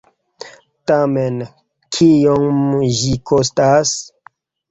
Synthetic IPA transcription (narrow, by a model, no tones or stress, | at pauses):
tamen | kʰijoŋʒikʰostas